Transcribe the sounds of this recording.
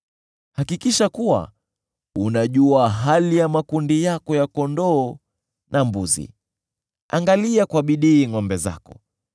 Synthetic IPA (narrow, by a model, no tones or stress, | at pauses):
hakikiʃakuwa̰ | unaʄuaɦalijamakundijakɔjakɔndɔː | nʔambuzḭ | a̰ŋɡaliakwaɓiɗiːŋɔmbɛza̰kɔ